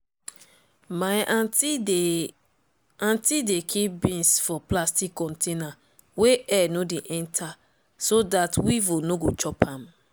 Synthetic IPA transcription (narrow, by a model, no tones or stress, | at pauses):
maj | ãntidekʰip̚bĩnsfɔplastikːɔ̃ntʰena | weɛnodeʔɛ̃ntʰa | sodatwivonoɡot͡ʃɔpãm